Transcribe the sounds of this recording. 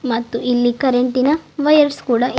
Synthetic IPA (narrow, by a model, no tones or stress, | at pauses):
mɐt̪ːuilːikɐɾeɳʈinɐʋɐjɐɾskuːɽɐ